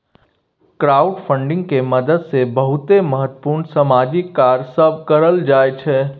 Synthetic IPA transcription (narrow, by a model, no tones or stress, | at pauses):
kɾaːʊɖpʰə̃ɳɖɪ̃ŋɡ̚keməd̪əd̪sebəɦʊt̪eməɦət̪ːə̥puːɾɳsəmaːd͡ʒikːaːɾsəb̚kəɾəld͡ʒaːet͡ʃʰɛ